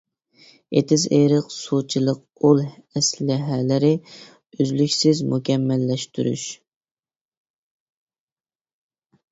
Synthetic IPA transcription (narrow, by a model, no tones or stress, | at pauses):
et̪ʰɪzeɾəqsut͡ʃʰilˠəq̚ | olˠɛslɪɦɛlɪɾɪ | yzlykʲsɪzmukʲɛmːɛlːɛʃt̪ʰyɾy̰ʃ